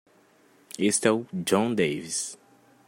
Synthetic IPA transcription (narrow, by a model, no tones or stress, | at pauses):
est̪ɛʊd͡ʒõd̪ejvis